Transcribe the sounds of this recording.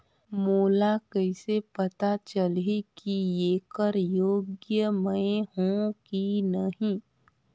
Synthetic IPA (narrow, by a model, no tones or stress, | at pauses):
moːlakɐɪsepɐt̪at͡ʃəlekieːkəɾjoːɡjəmə̃ɦũkinəɦĩ